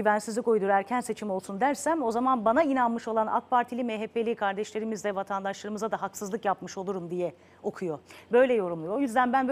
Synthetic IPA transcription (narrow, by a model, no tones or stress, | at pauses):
yvænsizlʲikojd̪uɾæɾcʰænse̞t͡ʃʰimo̞lˠsund̪æɾsæmo̞zamanbanainanmɯʃo̞lˠana̰k̚pʰaɾt̪ʰilʲimeɦepʰːe̞lʲikʰaɾd̪ɛʃlʲe̞ɾimizd̪ɛvat̪ʰand̪aʃlˠaɾɯmɯzad̪aɦaksɯzˠɯkjapmɯʃo̞lˠuɾumd̪ijɛ | o̞kʰujo̞bø̞jlʲɛjo̞ɾumlˠujo̞jyzd̪ænbænb